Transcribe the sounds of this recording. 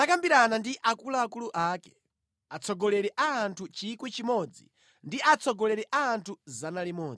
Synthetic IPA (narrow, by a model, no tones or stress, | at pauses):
akambiɾanandiʔakulaːkuluʔakɛ̥ | at͡sʰɔɡɔlɛɾɛʔaːntʰut͡ʃikwit͡ʃimɔd͡zḭ | ndiʔat͡sʰɔɡɔlɛɾɛʔaːntʰuzanalimɔːi